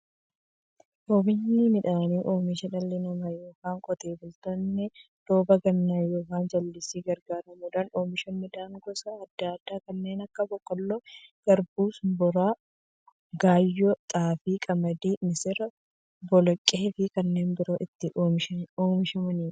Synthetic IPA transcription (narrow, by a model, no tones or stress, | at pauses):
ʔoːmɪnːɪmɪᶑaːniːʔoːmɪʃɐᶑɐlːɪnɐmɐjo̞ːkaːŋkʼɔt̪e̞ːbʊlt̪ɔnːɛ | d̪̥oːbɐɡɐnːaːjoːkaːnd͡ʒɐlːɪsiːɡɐɾɡaːɾɐmuːᶑaːno̞ːmɪʃɐnmɪd̪aːŋɡɔsɐːd̪ːad̪̥ːaːkɐnːe̞ːnɐkːɐbɔkːɔlːoɡ̥ɐɾbuːsbɔɾaː | ɡaːjːɔt̪ʼaːfiːkʼɐmɐd̪iːmɪsɪɾɐ | bɔlɔkʼːeːfɪkɐnːe̞ːnbɪɾoːʔɪt̪ːɪʔoːɪʃoːmɪʃɐmɐniː